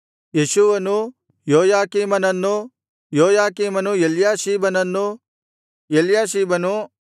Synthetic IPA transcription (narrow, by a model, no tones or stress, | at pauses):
jeʃuʋɐnu | joːjaːkiːmɐnɐnːu | joːjaːkiːmɐnujeljaːʃiːbɐnɐnːu | jeljaːʃiːbɐnu